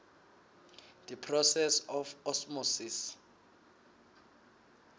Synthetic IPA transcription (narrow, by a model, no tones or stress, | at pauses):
d̪̥ɛpʰrɔsɛsɔfɔsmɔsis